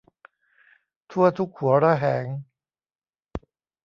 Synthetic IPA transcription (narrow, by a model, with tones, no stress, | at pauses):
t̪ʰu˥˩ɐt̪ʰu˦˥k̚hu˨˩˦ɐɾa˦˥˩ɦɛː˩˦ŋ